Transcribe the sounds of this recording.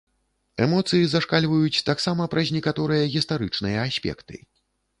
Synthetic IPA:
ɛmɔt̪sɨjizaʂkalʲvɐjut͡sʲt̪aksamɐpɾɐzʲnʲɛkat̪ɔɾɨjɐɣʲist̪aɾɨt͡ʂnɨjɐasʲpʲɛ̰kt̪ɨ̰

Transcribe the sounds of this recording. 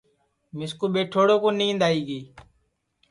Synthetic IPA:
mɪskuːɓeːʈʰoːɽoːkõːnĩːnd̪aːiːɡeː

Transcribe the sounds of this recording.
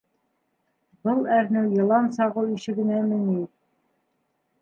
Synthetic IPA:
bɤlˠæɾnɘwjɤ̆lˠɑnsɑʁɤwiʃɘ̆ɡɘ̆næmɘ̆ŋi

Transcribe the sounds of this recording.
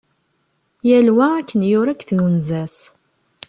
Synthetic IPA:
jælwæækːənjʊɾækːθjunzæs

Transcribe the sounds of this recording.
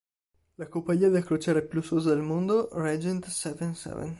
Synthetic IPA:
lakompaʎːiːad̪elakɾot͡ʃɛːɾaepjusozad̪elmond̪orɛd͡ʒɛnt̪sɛvɛnsɛ̰vɛ̰n

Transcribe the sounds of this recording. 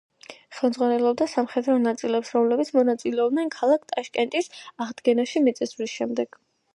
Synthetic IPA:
χɛmd̪zʁwanɛlˠɔb̚d̪asamχɛd̪ɾɔnat̪sʼilɛpsɾɔmlɛbit̪sʰmɔnat̪sʼilɛɔbnɛnkʰalˠakʰt̪ʼaʃkʼɛnt̪ʼisaʁd̪ɡɛnaʃimit̪sʼɛsvɾisʃɛmd̪ɛɡ̥

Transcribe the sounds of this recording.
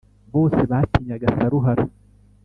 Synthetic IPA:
boːsɛbaːt̪ːiɲɐɡɐsɐɾʊɦɐɾ

